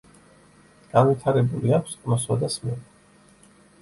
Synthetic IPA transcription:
ɡ̥anvit̪ʰaɾɛbuliakʷʰsʼmɔswad̪asmɛn

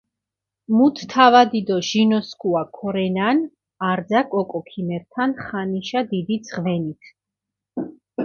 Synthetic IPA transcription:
mut̪ʰt̪ʰavad̪id̪ɔʒinɔskʰʼuakʰɔɾɛnan | aɾd̪zakʼɔkʼɔkʰimɛɾt̪ʰanχaniʃad̪id̪id̪zʁvɛnit̪ʰ

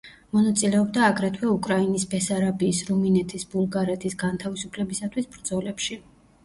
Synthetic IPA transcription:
mɔnat̪sʼilɛɔbd̪aːɡɾɛt̪ʰwɛukʼɾainisbɛsaɾabiːsɾuminɛt̪ʰisbulˠɡaɾɛt̪ʰisɡant̪ʰavisupʰlɛbisat̪ʰwisbɾd̪z̥ɔlɛpʃi

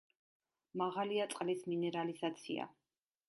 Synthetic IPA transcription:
maʁaliat̪sʼqʼlisminɛɾaliz̥at̪sʰḭa̰

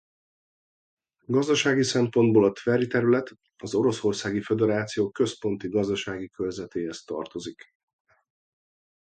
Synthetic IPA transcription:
ɡɒzd̪ɒʃaːɡisɛmpo̞nd̪̚boːlɒt̪vɛɾit̪ɛɾylɛt̪ | ɒzo̞ɾo̞so̞rsaːɡifed̪ɛɾaːt̪sijoːkø̞spo̞nt̪iɡɒzd̪ɒʃaːɡikølzɛt̪eːɦɛst̪ɒ̰rt̪o̞zik

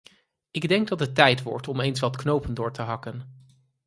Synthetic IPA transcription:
ɪɡdɛŋɡdɑtətːɛjtʋɔ̰ɹtɔmejnsʋɑtknowpəndʊːɹtəɦɑkən

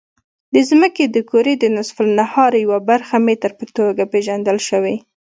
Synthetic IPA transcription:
d̪əzməked̪əkoɾed̪ənʊsfʊlnahɑɾjawabaɾxamet̪əɾpət̪oɡapeʒand̪əlʃəwe

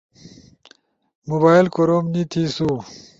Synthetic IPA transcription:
mubaːilkoɾomnit̪ʰisu

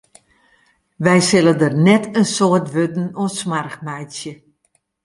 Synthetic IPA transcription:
ʋɛjsɪlədərnɛtʰənsoərtʋødn̩osmarxmɛjsjə

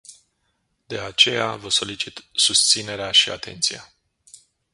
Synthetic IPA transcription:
d̪e̞at͡ʃe̞javəso̞lit͡ʃit̪sust̪sine̞ɾeaʃia̰t̪ʰe̞̰nt̪sija

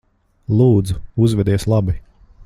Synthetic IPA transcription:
lˠuːd̪zuuzvɛd̪iɛslˠabi

